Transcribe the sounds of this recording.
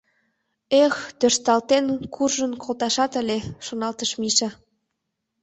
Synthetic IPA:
ext̪øʃt̪ɑlt̪enkʰurʒənkʰolt̪ɑʃɑt̪ə̆lʲeʃonɑlt̪əʃmiʃĕ

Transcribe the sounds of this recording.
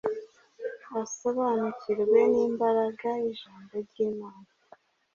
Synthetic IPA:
aso̞βanuciɾwe̞niːmbaɾaɡaiʒaːmboɾɟiːmaːna

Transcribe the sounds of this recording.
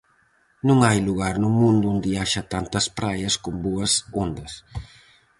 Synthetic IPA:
nũŋajluɣaɾnʊmũnd̪ʊund̪iaʃɐt̪ant̪ɐspɾajɐskʊmbuɐsond̪ɐs

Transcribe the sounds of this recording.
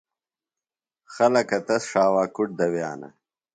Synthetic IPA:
xɐlɐkɐt̪ɐsʂaːwaːkuʈ̚d̪ɐwja̰ːnɐ̰

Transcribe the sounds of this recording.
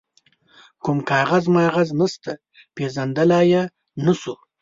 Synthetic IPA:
kʊmkɑːɣazmɑɣaznəst̪a | pezand̪alɑːja | nəsu

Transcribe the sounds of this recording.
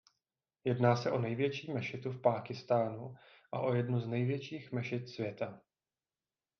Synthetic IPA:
jɛdnaːsɛʔo̞nɛjvjɛt͡ʃiːmɛʃɪt̪ufpaːkɪst̪aːnuʔaʔo̞jɛdnuznɛjvjɛt͡ʃiːxmɛʃɪt̪svjɛt̪a

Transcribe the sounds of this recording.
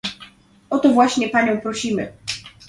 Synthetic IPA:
ʔɔt̪ɔvwaɕɲɛpaɲɔ̃w̃pɾɔɕimɘ̰

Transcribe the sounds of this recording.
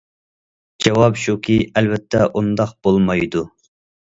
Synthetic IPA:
d͡ʒɑwɑpʃukʲʰiɛlvɛt̪ʰːɛʔund̪ɑq̚b̥olˠmɑjd̪u

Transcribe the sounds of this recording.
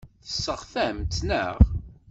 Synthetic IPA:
θə̥sːəʁθæmt͡s̪ːnə̰ʁ

